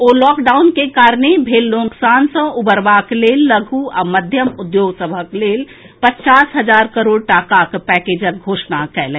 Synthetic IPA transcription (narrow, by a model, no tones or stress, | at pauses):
oːlɔːkɖaːʊnkekaːɾnebʱeːlːõːksaːnsə̃ʊbəɾʋaːkleːlːəɡʱuaməd̪ʱjəmʊd̪joːɡsəbʱəkleːl | pətːt͡ʃaːsɦəd͡ʒaːɾkəɾoːɽʈaːkakpɛːkeːd͡ʒək̚ɡʱoːʃnakɛːlẽː